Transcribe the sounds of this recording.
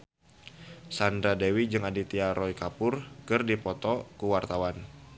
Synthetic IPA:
sand̪ɾadewid͡ʒɨŋadit̪iaɾɔikapʊrkɨrdipɔt̪ɔkuwart̪awan

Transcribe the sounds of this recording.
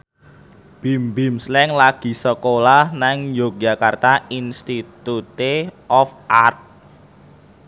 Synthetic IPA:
b̥imbimslɛŋlaɡ̥i̤səkolahnaŋjok̚d͡ʒa̤kart̪ainst̪it̪ut̪eʔɔfʔart̪̚

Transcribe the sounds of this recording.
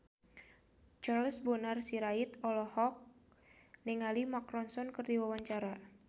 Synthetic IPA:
t͡ʃarlsbonarsiɾait̪ɔlɔhɔk̚ | niŋalimakɾɔnsɔnkɨrdiwawaɲt͡ʃaɾa

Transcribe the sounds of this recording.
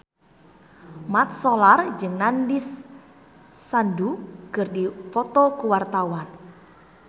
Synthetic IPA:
mat̪̚solard͡ʒɨŋnandis | anduɡ̥ɨrdifɔt̪ɔkuwart̪awan

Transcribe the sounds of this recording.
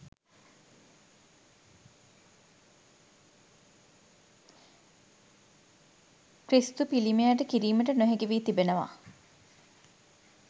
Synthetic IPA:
kɾist̪upilimeaʈəkiɾiːməʈənoɦeɡeʋiːt̪ibenəʋa̰

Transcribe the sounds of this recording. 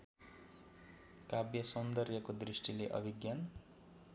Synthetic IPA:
kabjʌsʌnd̪ʌrjʌkod̪risʈileʔʌ̰bʱiɡjan

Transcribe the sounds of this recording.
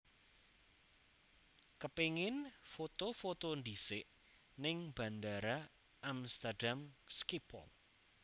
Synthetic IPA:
kəpeŋɪnfot̪ofot̪ond̪isɪʔ | nɪŋb̥a̤nd̪aɾa | amst̪aɖamskipʰɔ̰l

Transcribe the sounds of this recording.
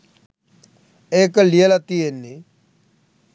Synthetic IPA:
eːklijelat̪ienːi

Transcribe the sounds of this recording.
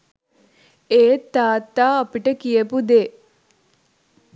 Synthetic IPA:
eːt̪ːaːt̪ːaːɐpiʈəkijəpud̪eː

